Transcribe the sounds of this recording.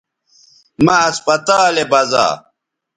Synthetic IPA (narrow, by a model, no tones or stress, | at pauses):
mɐːspɐt̪aːlebɐza̰ː